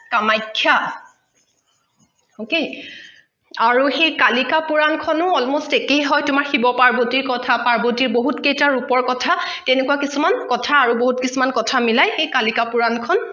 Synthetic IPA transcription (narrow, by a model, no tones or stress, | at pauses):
kamajkʰːja | oke | aɹuxejkalikapuɹankʰɔnʊɔlmostekejɦɔjtʊmaɹxibɔpaɹbotiɹkɔtʰapaɹbotiɹboɦutkejtaɹupɔɹkɔtʰatenekuakisumankɔtʰaːɹuboɦutkisumankɔtʰamilajxejkalikapuɹankʰɔn